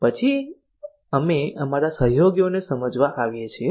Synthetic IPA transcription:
pət͡ʃʰi | əmeəmaɾasəɦjoɡjonesəməd͡ʒʋaʔaʋjet͡ʃʰie

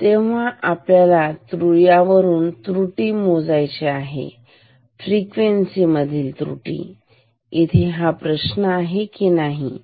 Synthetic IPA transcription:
t̪eʋ̤aʔapljalat̪ɾuɭjaʋəɾuːnt̪ɾuʈiːmod͡zajt͡ɕeaɦḛ | fɾikʋensiməd̪ʱiːlt̪ɾṵʈḭ | it̪ʰeɦapɾəɕnəaɦekinaɦi

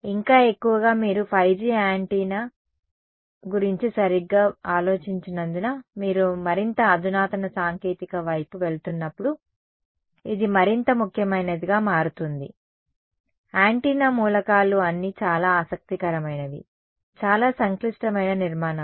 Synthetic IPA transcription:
iŋkaːe̞kːuʋɐɡaːmiːɾupʰɐjd͡ʒiːaːɳʈiːna | ɡuɾiɲt͡ʃisɐɾiɡːaːaːlo̞ːt͡ʃiɲt͡ʃinɐnd̪unamiːɾumɐɾint̪ɐːd̪unaːt̪ɐnɐsaːŋke̞ːt̪ikɐʋɐjpuʋe̞ɭt̪unːɐpːuɽu | id̪imɐɾint̪ɐmukʰjɐmɐjnɐd̪iɡaːmaːɾut̪und̪ḭ | aːɳʈiːnaːmuːlɐkaːluɐnːit͡ʃaːlaːsɐk̚t̪ikɐɾɐmɐjnɐʋḭ | t͡ʃaːlaːsɐŋkliʂʈɐmɐjnɐniɾmaːnɐ

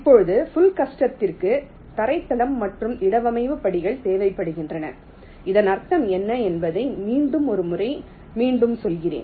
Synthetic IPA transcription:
ɪpːɔɻɯðɯfʊlkɐʂʈɐt̪ːɪrkɯ | t̪ɐɾɐɪt̪ːɐlɐmːɐʈrɯmɪɽɐʋɐmɐɪʋɯpɐɽɪɣɐɭt̪eːʋɐɪpːɐɽɯɣɪndrɐnɐ̰ | ɪðɐnɐrt̪ːɐmɛnːɐɛnbɐðɐɪmiːɳɖɯmɔɾɯmʊrɐɪ | miːɳɖɯmsɔlɣɪrḛːn

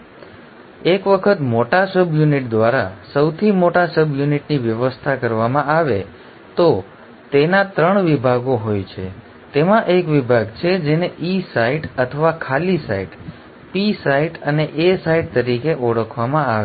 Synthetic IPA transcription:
ekʋəkʰət̪moʈasəbjuniʈd̪ʋaɾasəwt̪ʰimoʈasəbjuniʈniʋjəʋəst̪ʰakəɾʋamãaʋe | t̪o | t̪enat̪ɾəɳʋibʱaɡoɦojt͡ʃʰe | t̪emãʔekʋibʱaɡt͡ʃʰed͡ʒeneʔisaiʈət̪ʰəʋakʰalisa̰iʈ | pisaiʈəneʔesaiʈ̚t̪əɾikeʔɔɽəkʰʋamãaʋe

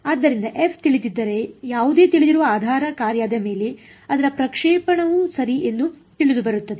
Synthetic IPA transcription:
aːd̪ːɐɾind̪ɐʔepʰt̪iɭit̪id̪ːɐɾe̞jaːʋud̪e̞ːt̪iɭid̪iɾuʋɐaːd̪ʱaːɾɐkaːɾjaːd̪ɐme̞ːle | ɐd̪ɐɾɐpɾɐkʂɛːpɐɳɐʋusɐɾiʔenːut̪iɭid̪ubɐɾut̪ːɐd̪e̞

